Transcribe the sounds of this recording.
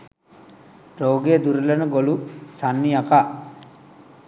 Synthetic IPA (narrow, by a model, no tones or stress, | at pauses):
ɾoːɡeːd̪uɾlɐnəɡolusanːiakaː